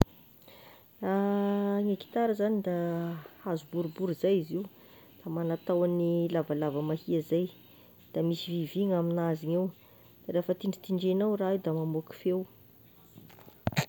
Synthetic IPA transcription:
aŋeki̥t̪aɾəzanid̪aazubuɾubuɾizajiziw | d̪̥amanat̪awanilavalavəmahiazaj | d̪̥amisiviviŋaminaziŋew | d̪̥aɾefət̪iɳɖ͡ʐi̥t̪iɳɖ͡ʐenawraid̪amamuki̥few

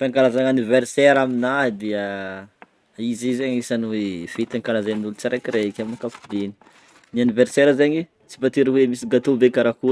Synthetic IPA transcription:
fiaŋkalazaŋanivɛrseɾaminad̪iə | izizeɲisanwefit̪aŋkalazaninulut͡saɾekiɾeikʲaminikafu̥d̪eni̥ | nianivɛrseɾəzeɲi | t͡si̥pat̪iɾəwemisiɡat̪obekaɾaku

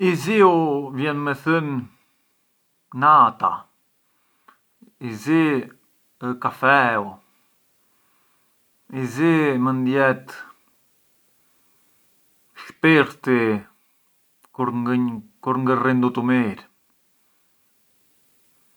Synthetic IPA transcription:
iziuvjɛnmɛθyn | at̪a̰ | izi | kafɛu | izimənd̪jɛt̪ | ʃpiɾt̪i | uɾkuɾŋɡərind̪ut̪umiɾ

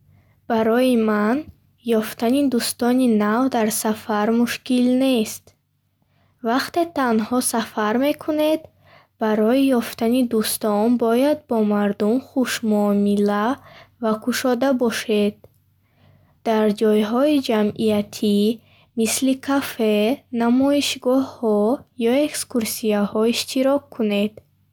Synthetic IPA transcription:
b̥aɾɔjiman | jɔft̪anid̪ust̪ɔninavd̪aɾsafaɾmuʃkilne̞st̪ | vaqt̪e̞t̪anhɔsafaɾme̞kʰune̞d̪ | b̥aɾɔijɔft̪anid̪ust̪ɔnbɔjad̪̚bɔmaɾd̪umχuʃmuːmilavakʰuʃɔd̪abɔʃe̞d̪ | d̪̥aɾd͡ʒɔjɦɔid͡ʒamijat̪ʰi | mislikʰafe̞namɔiʃɡɔhːɔjɔekskuɾsiahɔiʃt̪ʰiɾɔkʰːune̞d̪̥

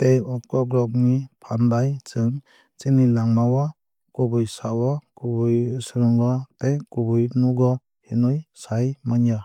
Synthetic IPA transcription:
tɛjɔp̚kɔɡɾɔk̚nipʰanbajt͡ʃɯŋ | t͡ʃinilaŋmawɔ | kubujsawɔkubujsɯɾɯŋɡɔtɛkubujnuɡɔ | hinujsajmaɲa

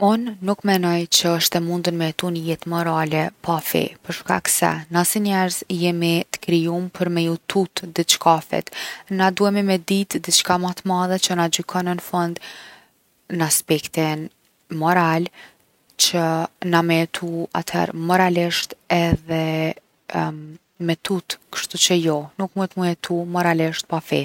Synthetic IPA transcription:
unːukmɛnɔjt͡ɕəəʃt̪ɛmund̪ənmɛɛt̪unəjɛt̪mɔɾalɛpʰafḭpəɾʃka̰ksɛ̰nasiɲɛɾzijɛmit̪ə̥kɾijumpʰəɾmɛjut̪ʰut̪d̪it͡ʃkafɛ̰t̪nad̪uɛmimɛd̪it̪d̪it͡ʃkamat̪maðɛt͡ʃənad͡ʑykʰɔnənəfɔnd̪ | naspɛkt̪in | mɔɾal | t͡ʃənamɛɛt̪ʰua̰t̪hɛ̰ɾmɔɾaliʃt̪ɛðɛ | mɛt̪ut̪kə̥ʃt̪ut͡ʃəjɔnukmunt̪mujɛt̪umɔɾaliʃt̪̚pafɛ̰

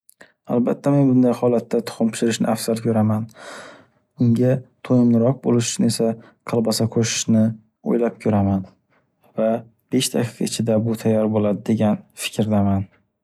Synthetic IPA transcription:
a̰lˠbat̪ʰːame̞nbʊnd̪ajhɒlat̪ʰːat̪ʰʊ̥χʊmpʰʊ̥ʃɪɾɪʃnɪ̰ʔafsalkʲʰɵɾaman | ʊŋɡʲat̪ʰojɪmnɪɾɒq̚bolɪʃnɪe̞sa | qʰɨlˠbasakʰoʃɪ̥ʃnɪ | o̰jlap̚kʲʰɵɾaman | va | b̥e̞ʃt̪ʰakʲʰi̥kʲaɪt͡ʃʰɪd̪abʊt̪ʰajːɒɾbolad̪ɪd̪e̞ɡʲanfɪ̥kʰʲɾd̪aman

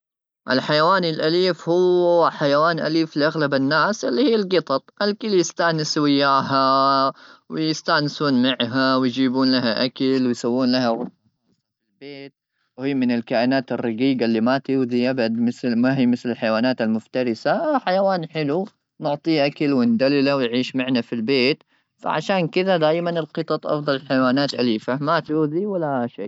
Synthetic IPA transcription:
ʔɪ̰lħajawaːnɪlʔaliːfhʊwːħajawaːnʔa̰liːfliʔaɣlabanːaːsʔɪlːihiːalɡɨt̪ˤɑt̪ˤʔalkɪljɪst̪aʕnɪswɪjːaːɦa | wɪjɪst̪aʕnɪsuːnmaʕɦawɪjd͡ʒiːbuːnlaɦaʔakalwɪjsawːuːnlahaɣʊ | ɪlbeːt̪̚ | whiːmɪnɪlkaːʔɪnaːt̪ɪrːɑɡiːɡalːimat̪uːðiʔabad̪mɪθmaɦiːmɪθlɪlħajwaːnaːt̪almʊft̪ɑɾɪsaaħajawaːnħɪlu | nʊʕt̪ˤiːʔakalwɪnd̪alːɪlawɪjʕiːʃmaʕnafilbeːt̪ | fa̰ʕa̰ʃaːnkɪðad̪aːjmanɪlqɨt̪ˤɑt̪ˤʔɑ̰fd̪ˤɑlħajwaːnaːt̪ʔa̰liːfamat̪juːðiwalːaʃeː

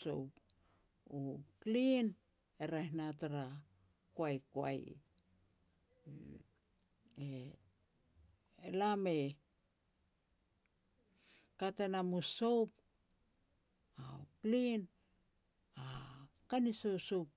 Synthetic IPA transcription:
so̰wp | uplin | eɾajhnataɾa | koajkoa̰j̰ | e | elame | katenamuso̞wp | aplin | akanisowsowp̚

